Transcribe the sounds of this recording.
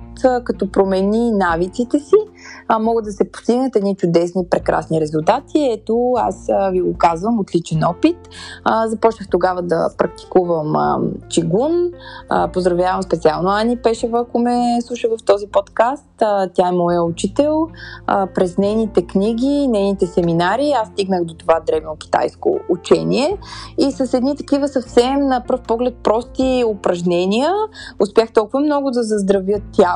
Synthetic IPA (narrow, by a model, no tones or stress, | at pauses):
t̪kɐt̪ɔpɾomɛninavit̪sit̪ɛsimɔɡəd̪d̪ɐsɛpo̥st̪iɡnət̪ɛd̪nit͡ʃʊd̪ɛsnipɾɛkɾa̰sniɾɛzulˠt̪at̪ʰiɛt̪oa̰sviɡokazvəmot̪lit͡ʃɛnɔpit̪zɐpɔt͡ʃnəxt̪oɡavəd̪ɐ̰pɾɐk̚t̪i̥kuvəmə̰t͡ʃiɡunə̰pozd̪ɾɐvjavəmspɛt̪sialˠnoanipɛʃəvəɐkomɛslˠuʃəvəft̪ɔzipɔt̪kast̪t̪ʲjaɛmɔjəut͡ʃit̪ɛlˠəpɾɛznɛjnit̪ɛkniɡʲinɛjnit̪ɛsɛminaɾiast̪iɡnəxd̪ot̪ovad̪ɾɛvok̟ʲi̥t̪a̰jsko̰ut͡ʃɛniɛisəsɛd̪nit̪ɐ̥kivəsɐfsɛmnəpəɾfpɔɡlɛt̪̚pɾɔst̪iopɾɐʒnɛniəʊspʲjaxt̪ɔlˠkuvəmnɔɡʊd̪ɐzɐzd̪ɾɐvjət̪ːʲa